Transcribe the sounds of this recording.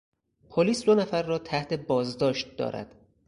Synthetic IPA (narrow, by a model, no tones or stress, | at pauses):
pʰoliːsd̪onæfæɾːɒːt̪ʰæht̪ʰe̞bɒːzd̪ɒːʃt̪̚d̪ɒ̰ːɾæ̰d̪̥